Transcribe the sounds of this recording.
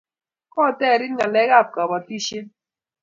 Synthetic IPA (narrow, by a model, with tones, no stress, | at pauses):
kɔ˦˨tɛ˦˨ɾi˦nŋa˨lɛ˦ɡa˦˨p̚ka˨bɔ˨ti˦ʃe˦